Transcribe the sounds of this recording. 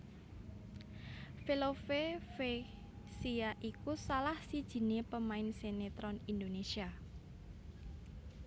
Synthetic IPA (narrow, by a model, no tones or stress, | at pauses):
felofefe | siaʔikusalahsid̥ʒ̥i̤nepəmaɪnsenet̪ɾɔnind̪onesia